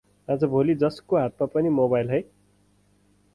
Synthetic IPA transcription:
ad͡zʌbʱolid͡zʌskoɦat̪̚mapʌnimoβajlɦʌj

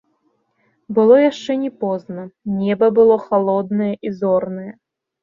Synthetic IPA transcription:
bɨlˠɔjaʂt͡ʂɛnʲɛpɔznɐnʲɛbɐbɨlˠɔxalˠɔd̪nɐjɐʔizɔrnɐjɛ

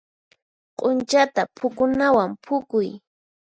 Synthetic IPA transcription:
qʼʊnt͡ʃat̪apʰʊkʊnawampʰʊkʊj

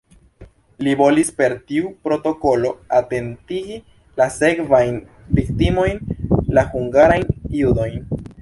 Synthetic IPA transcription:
libo̞lispe̞ɾtiupɾo̞to̞ko̞lo̞ate̞ntiɡi | lase̞kvajn | viktimo̞jnlahuŋɡaɾajnjudo̞jn

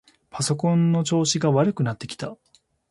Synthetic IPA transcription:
pʰaso̞kõ̞nːo̞t͡ɕo̞ːɕiɡaβaɾɯ̟kɯ̟nat̪ːe̞kʲi̥t̪a

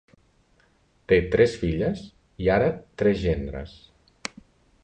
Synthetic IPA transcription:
t̪et̪ɾɛsfiʎəs | iaɾət̪ɾɛzʒend̪ɾə̰s

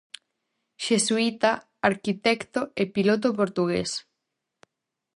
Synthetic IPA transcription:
ʃesuit̪a | aɾkit̪ɛkt̪oepilot̪̬opoɾt̪uɣḛs

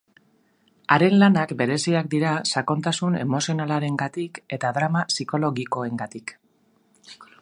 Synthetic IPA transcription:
aɾe̞nlanakbe̞ɾe̞siak̚d̪iɾasako̞nt̪asune̞̰mo̞sio̞nalaɾe̞ŋɡat̪ike̞t̪aðɾamasiko̞lo̞ɣiko̞e̞ŋɡat̪ik

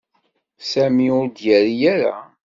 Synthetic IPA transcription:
sæmiʊɾd̪jæɾijæɾa̰

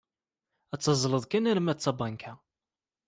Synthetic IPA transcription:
æt͡sːɑzˤləðˤkæniɾəmæt͡sːɑbɑnkʰæ

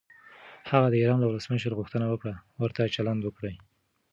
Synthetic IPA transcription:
haɣad̪əiɾɑnlawʊləsməʃəɾɣuxt̪ənawəkɽawəɾt̪at͡ʃaland̪wəkɽəj

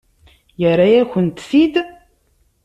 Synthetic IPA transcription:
jəɾːajæçənt̪θid̪

